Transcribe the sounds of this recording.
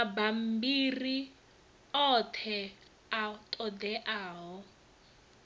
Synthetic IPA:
abam̩biri | ɔtʰɛ | atʼɔd̪ɛʔaːɦɔ

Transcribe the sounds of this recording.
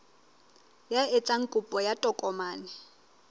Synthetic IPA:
jaet͡sʼaŋ̩kʼʊpʼɔjatʼɔkʼɔmaːnɪ

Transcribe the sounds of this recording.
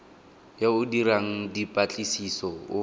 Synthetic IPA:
jaʊdiɾaŋ̩dipʼat͡ɬʼisisɔʊ

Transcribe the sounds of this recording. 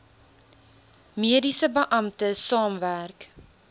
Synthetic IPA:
miədisəbəʔɐmtəsɑːmværk

